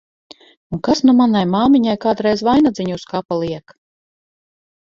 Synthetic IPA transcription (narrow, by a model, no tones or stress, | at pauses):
unkasnumanajmaːmiɲajkaːd̪ɾɛjzvajnad̪zʲiɲuskapalˠiɛk